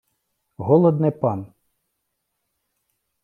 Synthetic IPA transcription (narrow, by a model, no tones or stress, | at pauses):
ɦɔlˠɔd̪nɪpɑn